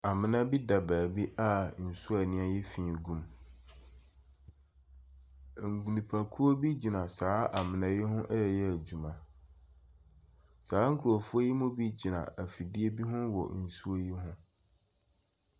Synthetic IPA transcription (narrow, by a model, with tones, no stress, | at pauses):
a˨mɪ̃˦nã˦bi˦da˨baː˨bi˦ʔa˦n̩˨su˦a˨nɪ̃˦a˦jɪ˦fĩː˨ɡũ˦m˨ | ŋ̩˨ɡu˨nĩ˨pʰa˨kʰu˦o˦bi˦d͡ʑi˨nã˨saː˨˦a˨mɪ̃˨nã˨jɪ˦ɦʊ̃˦ʔɛ˦˨jɛ˦æ˨d͡ʑu˨mã˨ | saː˨˦ŋ̩˦kʰu˨ɾo˨fʊ˦o˦ji˦mʊ̃˦bi˦d͡ʑi˨nã̰˨ʔæ˨fi˨di˦e˦bi˦ɦʊ̃˦wɔ̰˨n̩˨su˦o˦ji˦ɦʊ̃˦